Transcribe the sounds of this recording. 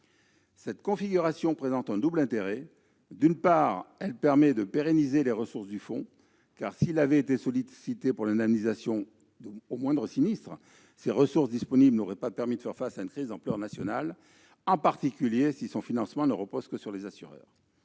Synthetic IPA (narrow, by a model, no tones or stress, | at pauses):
sɛt̪kɔ̃fiɡyʁasjɔ̃pχezɑ̃t̪ɛ̃d̪ublɛ̃t̪eʁɛ | d̪ynpaːʁɛlpɛʁmɛd̪əpeʁenizeleʁəsuʁsd̪yfɔ̃ | ka̰ʁsilavɛet̪esɔlid̪sit̪epuʁlɛ̃nɛmnizasjɔ̃ | d̪omwɛ̃d̪ʁəsinist̪χə | seʁəsuʁsd̪ispɔniblnoʁɛpapɛʁmid̪əfɛʁfasaynkχizɑ̃plœʁnasjɔna̰l | ɑ̃paʁt̪ikʲyljesisɔ̃finɑ̃smɑ̃nəʁəpozkəsyʁlezasyʁœ̰ːʁ